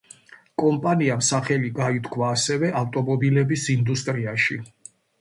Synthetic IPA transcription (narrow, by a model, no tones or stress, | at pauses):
kʼɔmpʼaniamsaχɛliɡait̪ʰkʰwaːsɛvɛʔaft̪ʼɔmɔbilɛbisind̪ust̪ʼɾiaʃi